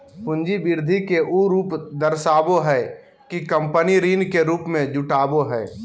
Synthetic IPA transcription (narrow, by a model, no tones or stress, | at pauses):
pʊ̃ɲd͡ʒibɪɾd̪ʱikeʔuɾuːpd̪əɾsaːboɦɛː | kikə̃mpəniɾiːnkeɾuːpmẽd͡ʒʊʈaːboɦɛː